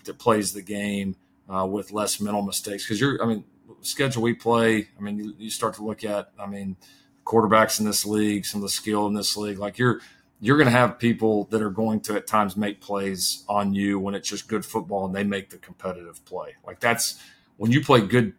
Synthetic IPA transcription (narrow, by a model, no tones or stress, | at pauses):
ɨt̚pʰl̥eɪzðɨɡẽɪ̃m | wɪðlɛsmɛ̃ɾ̃l̩ˠməsteɪkskʰʌzjə˞ʔa̰ɪmĩn | skɛd͡ʒl̩ˠwipʰl̥eɪaɪmĩnjɨjɨstɑɹtʰəlʊkɨt̚aɪmĩn | kʰw̥ɔɹɾə˞bæksn̩ðɪsliɡsʌ̃mʌvðəskɪlˠə̃nðɪsliɡlaɪkjə˞ | jə˞ɡʌnɨːv̥pʰipl̩ˠðɨɾə˞ɡoʊɪ̃ŋtʰɨɨtʰãɪ̃mzmeɪk̚pʰl̥eɪzn̩jʉwə̃nɨtsd̥ʒ̥ʌsɡ̥ʊd̥fʊt̚b̥ɔlˠə̃nðeɪmeɪk̚ðɨkʰm̩pʰɛɾɨɾɨv̥pʰl̥eɪlʔa̰ɪk̚ðæts | wə̃njɨpʰl̥eɪɡʊd̚